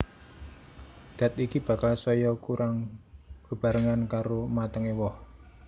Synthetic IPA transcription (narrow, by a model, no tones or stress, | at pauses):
d̪̥ä̤t̪ikib̥ä̤kalsɔjɔkuɾʔaŋɡ̥ə̤b̥ä̤ɾəŋankaɾomat̪əŋewɔh